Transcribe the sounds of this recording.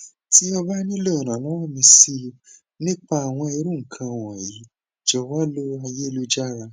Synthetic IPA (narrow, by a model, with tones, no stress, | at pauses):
ti˨˦ɔ˧ba˦nĩ˦lo˦˨ɾ̃ã˨nã˨˦wɔ˦˨mĩ˧si˧ | nĩ˦k͡pa˦a˨w̃ɔ̃˧i˧ɾũ˦ŋ̩˨kʰã˧˨w̃ɔ̃˨i˨˦ | d͡ʒɔ˧wa˦lo˦a˧je˦˧lu˦d͡ʒa˦ɾa˧